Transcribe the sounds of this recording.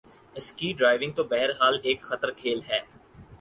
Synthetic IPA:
ɪskiːɖɾaːɪʋɪ̃ŋɡ̚t̪obɛɦəɾɦaːleːkxɐt̪əɾkʰeːlɦɛː

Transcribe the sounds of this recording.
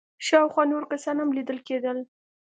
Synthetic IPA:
ʃɑwxwɑnoɾkasɑnhamlid̪əlked̪əl

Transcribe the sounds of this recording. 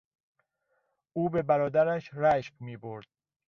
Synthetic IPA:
uːbe̞bæɾɒːd̪æɾæʃɾæʃqmiːboɾd̪̥̚

